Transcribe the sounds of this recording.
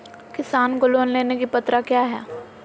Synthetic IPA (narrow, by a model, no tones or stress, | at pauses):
kɪsaːnkoloːnleːnekipɐt̪ɾakjaːɦɛ̰ː